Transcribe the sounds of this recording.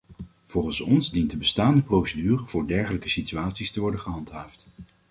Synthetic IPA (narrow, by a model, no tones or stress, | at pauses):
v̥ɔlˠχənsɔnzdintdəbəstaːndəprowsədyːrəvʊːɹdɛɹχələkəsityaːtsistəʋɔɹdəχəɦɑntɦaːft